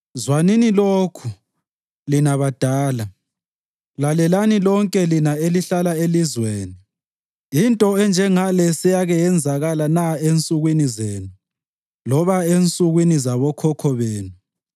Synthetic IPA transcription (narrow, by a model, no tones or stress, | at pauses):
zwaniniloːkʰu | linaβad̥ʱaːla | lalɛlanilɔŋkʼɛlinaeliɬalaelizweːni | intʼɔɛnd͡ʒʱɛŋalɛsɛjaɣɛjɛnd͡zʱaɣalanaent͡sʼuɣwinizeːnu | lɔβaent͡sʼuɣwinizaβɔkʰɔkʰɔβeːnu